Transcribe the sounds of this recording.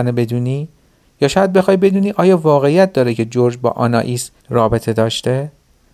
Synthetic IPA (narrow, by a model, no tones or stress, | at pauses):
nebe̞d̪uːniː | jɒːʃɒːjæd̪̚be̞xɒːjbe̞d̪uːniːʔɒːjɒːvɒːɣeijæt̪̚ʰd̪ɒːɾecʰe̞d͡ʒoɾd͡ʒbɒ̰ːʔɒ̰ːnɒ̰ːʔis | rɒːbe̞t̪ʰe̞d̪ɒːʃt̪e̞